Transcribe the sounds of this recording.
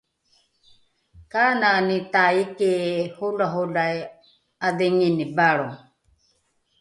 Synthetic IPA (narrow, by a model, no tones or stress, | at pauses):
kananit̪aikehulaɦulaj | ad̪ɛŋinibaɺɔ